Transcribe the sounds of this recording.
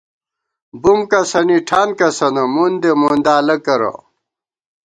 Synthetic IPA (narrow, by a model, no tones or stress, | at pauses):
bumkɐsɐniʈʰaːnkɐsɐnomund̪emoːnd̪aːlɐkɐɾo̰